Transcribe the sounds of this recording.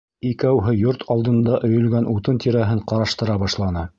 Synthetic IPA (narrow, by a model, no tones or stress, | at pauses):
ikæwɦɤjoɾt̪ʰɑlˠd̪ɤ̆nd̪ɑʔɵ̆jɵ̆lɡænʔut̪ɤnt̪ʰiɾæɦɘɴqɑɾɑʃt̪ɤ̆ɾɑbɑʃlˠɑnɤ